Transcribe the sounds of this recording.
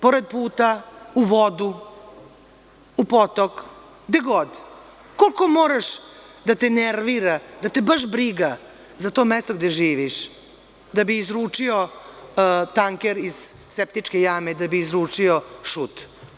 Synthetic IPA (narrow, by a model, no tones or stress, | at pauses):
poɾed̪̚puːt̪auʋod̪u | upot̪ok | ɡd̪eɡod̪ː | olko̞moːɾaʃ | d̪at̪eneɾʋiɾad̪at̪ebaʃ̬bɾiɡa | zat̪o̞mest̪o̞ɡd̪eʒiːʋiʃ | d̪abiːzɾuːt͡ʂio | t̪aŋkeɾiz̥sep̚t̪it͡ʃkejame̞d̪abiːzɾuːt͡ʂioʃut̪